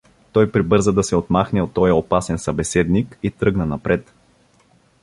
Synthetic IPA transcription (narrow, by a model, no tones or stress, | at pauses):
t̪ɔjpɾibɤɾzəd̪ɐsɛot̪maxnɛot̪ːɔjəopasɛnsɐbɛsɛd̪nikit̪ɾɤɡnɐnɐpɾɛt̪